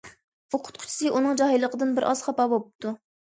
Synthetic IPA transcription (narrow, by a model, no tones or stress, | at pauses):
uqʰʊ̥t̪qʰʊ̥t͡ʃʰi̥sɨʔunɨŋd͡ʒɑɦijlˠəqʰəd̪ɨnbɪɾʔɑz̥χɑpɑbolp̚t̪ʰu